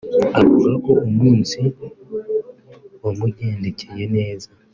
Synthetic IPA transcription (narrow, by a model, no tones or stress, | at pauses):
akuɡakoːmwuːnsi | omuɟeːndecʰejeneːza